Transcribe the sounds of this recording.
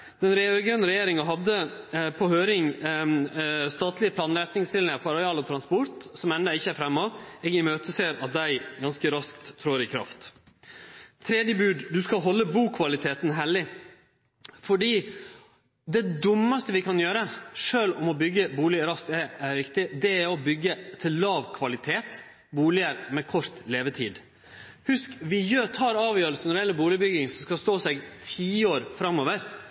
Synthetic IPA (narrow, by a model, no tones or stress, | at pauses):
d̪ɛnɾɡœnəɾɛjeːɾɪŋɑɦɑd̪əpʰɔhøːɾɪŋ | st̪ɑːt̪ʰlɪəpʰlɑːnːɾɛt̪nɪŋsɪlɪŋɑfɔɾɑɪɑːlɔt̪ʰɾɑnspɔɾt̪sɔmɛnd̪ɑɪçːəæfɾɛmːɔeːɡɪmøːt̪əseːɾɑt̪̚d̪æɪɡɑnskəɾɑskt̪ʰːɾoːɾɪkʰɾɑ̰ft̪ | t̪ʰɾeːd̪jəbʉːɖd̪ʉskɑɦɔlːəbuːkʰʋɑlɪt̪ʰeːt̪n̩ɦɛlɪ | fɔɖiː | d̪ɛd̪ʊmːəst̪əʋɪkʰɑnjøːɾəʂøːlɔmɔbʏɡːəbuːlɪɾɑst̪ɛʋɪkt̪ɪd̪ɛæɾɔbʏɡːət̪ʰɪlːɑːʋkʰʋɑlɪt̪ʰeːt̪ | buːlɪəɾmɛkʰɔɾt̪leːʋət̪ʰḭːd̪ | hʉskʋɪjøːt̪ʰɑːɾɑːʋjøːɾəlsənɔɾɪjɛlːəbuːlɪbʏɡɪŋsɔmskɑst̪oːsɛɡt̪ʰiːoːɾfɾɑmoːʋəɾ